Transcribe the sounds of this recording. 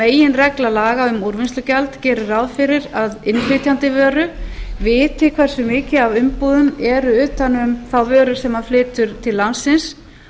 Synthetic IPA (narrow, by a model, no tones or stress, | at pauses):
meːjɪnrɛklalaːɣaʏmuɾvɪnst̪lʏcalt̪cɛːɾʏɾawðfɪɾɪɾaðɪnfɪt̪jant̪ɪvœːɾʏvɪːt̪ʰɪkʰvɛr̥sʏmɪːcɪavʏmpuːðʏmɛɾʏʏːht̪anʏmθawvœːɾʏsɛmaðflɪːt̪ʏɾ̥t̪ʰɪlːansːɪns